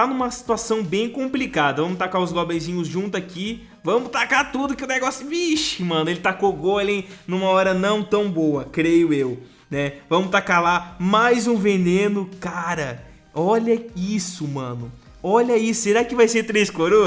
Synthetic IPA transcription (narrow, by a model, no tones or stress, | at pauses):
t̪anũmɐsi̥t̪uasɐ̃w̃bẽj̃kõmplikad̪ɐvɐ̃mʊt̪akaʊzlɔbẽjzĩɲʊzʒũnt̪ʊaki | vɐ̃mʊt̪akat̪ud̪ʊkɪʊneɡɔsʊbiʃɪmɐ̃nʊelɪt̪akoɡolẽj̃nũmɐɔɾɐnɐ̃w̃t̪ɐ̃w̃boɐkɾejʊew | nɛvɐ̃mʊt̪akalamajzũvenẽnʊkaɾɐ | ɔʎɐisʊmɐ̰̃nʊ | ɔʎɐiʊseɾakɪvajseɾt̪ɾeskloɾo